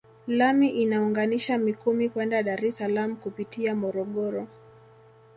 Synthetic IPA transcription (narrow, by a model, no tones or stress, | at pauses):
lamiʔinauŋɡaniʃamikumikwɛndaɗaɾɛsalamukupitiamɔɾɔɠɔɾɔ